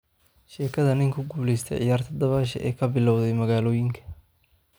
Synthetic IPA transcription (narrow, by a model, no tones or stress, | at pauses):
ʃɛːkʰɐðɐnɪŋkʰʊɡuːlɛjst̪ʰɛ̰jʕɪ̰jaːrt̪ʰɐd̪ɐβaːʃ̬ɐ̰ʔɛ̰ːkʰɐbɪlɔwðɛjmɐɣaːlɔːjɪŋkʰɐ̥